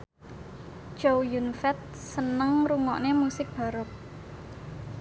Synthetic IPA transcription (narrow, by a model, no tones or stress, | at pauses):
d͡ʒowjunfɛt̪̚sənəŋɾuŋɔʔnemusɪk̚b̥a̤ɾʊp̚